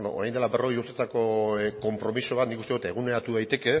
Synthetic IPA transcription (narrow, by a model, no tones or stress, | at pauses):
no̰ʔɾajnd̪elaβbe̞ro̞ɣejuɾt̪et̪ako̞ko̞mpɾo̞misoβat̪nikust̪e̞ðut̪e̞ɣune̞ɾat̪uðajt̪e̞ke̞